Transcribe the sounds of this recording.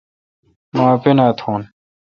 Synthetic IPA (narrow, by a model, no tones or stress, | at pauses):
mãːpenat̪ʰoːn